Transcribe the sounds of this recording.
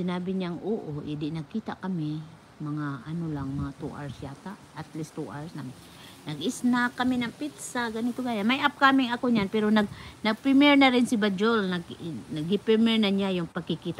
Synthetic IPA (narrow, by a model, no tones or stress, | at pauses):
sɪnaːbɪɲaŋuʔoʔɪd̪ɪʔnɐɡ̚kiːt̪aʔkɐmɪ | mɐŋaʔanolaŋmɐŋat̪uʔa̰ɹsjaːt̪aʔʔat̪list̪uʔaɹsnamɪn | nɐɡʔɪsnakːɐminaŋpit̪saɡanit̪oɡaːjanmajʔap̚kamɪŋɐkoɲanpɛɾonɐɡ̚nɐɡ̚pɾɪmɛɹnaɾɪnsɪbad͡ʒolnaɡnɐɡɪpɛmɛɹnaɲajʊŋpaɡ̚kɪkiːt̪a